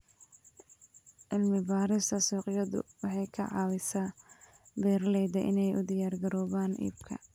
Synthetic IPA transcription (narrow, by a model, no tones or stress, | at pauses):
ʔɪlmɪbaːɾɪsɐsuːqjɐðʊ̰wɑħɑjkʰɐʕɑ̰ːwɪsaː | bɛːrlɛjd̪ɐʔɪ̰nɛjʔʊ̰d̪ɪjaːrɡɐɾɔːβaːnʔḭːbkʰɐ̰